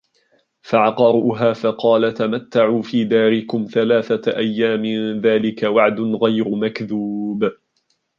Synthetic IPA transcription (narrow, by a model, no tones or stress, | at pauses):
faʕɑqɑɾuːɦaːfɑqɑːlat̪amat̪ːaʕuːfiːd̪aːɾɪkʊmθalaːθaʔajːaːmɪðaːlɪkawaʕd̪ʊnɣajɾʊmakðub